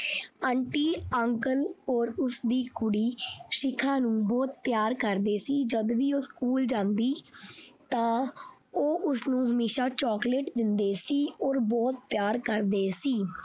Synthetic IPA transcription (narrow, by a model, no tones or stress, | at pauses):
əːɳʈiːəŋkəlɔːɾʊsd̪iːkʊɽiːʃɪkʰãːnũːbɔːt̪̚pjaːɾkəɾd̪eːsiːd͡ʒəd̪ʋiːoːskuːld͡ʒãːnd̪iːt̪ãː | oːʔʊsnũːɦəmeːʃaːt͡ʃɔːkleʈd̪ɪnd̪eːsiːɔːɾbɔːt̪̚pjaːɾkəɾd̪eːsiː